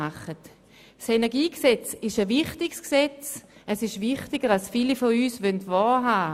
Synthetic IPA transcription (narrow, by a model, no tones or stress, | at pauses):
aχət | senɛɐɡiːksɛt͡sɪʃəvɪχtɪksksɛt͡sɛsɪʃvɪχtɪɡəʁalsfiːlifɔyːsvœntvɔːɦaː